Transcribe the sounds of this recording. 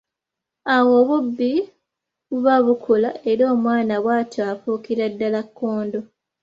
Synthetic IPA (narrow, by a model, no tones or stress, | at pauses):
awoβubːi | βuβaβukʰulae̞ɾo̞ːmwaːnaβwaːtafukiɾadːalakːoːndo